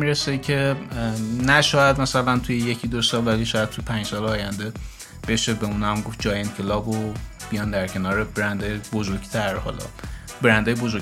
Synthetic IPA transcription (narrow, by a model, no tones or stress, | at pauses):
miɾesecʲʰe̞ | næʃɒːjæd̪mæsælænt̪ʰujeje̞cʰid̪osɒːlvæliʃɒːjæd̪t̪̚t̪ʰujepʰæ̃nd͡ʒsɒːleɒːjænd̪e | b̥e̞ʃebeuːnæmɡofd͡ʒɒːjenkʰelɒːbob̥ijɒːnd̪æɾcʰe̞nɒːɾebeɾænd̪ejbozoɾɡt̪ʰæɾhɒ̰lɒ̰ | beɾænd̪ɒːjebozo